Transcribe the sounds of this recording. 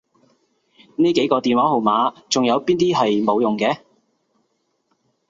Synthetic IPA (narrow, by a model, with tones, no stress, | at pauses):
niː˥ke˨˥jkɔː˧t̪iː˨nwaː˨˥ho˨˩wmaː˨˥t͡sʊ˨ŋjɐ˨˧wpiː˥nt̪iː˥ɦɐ˨jmo˨˧wjʊ˨ŋkɛː˨˧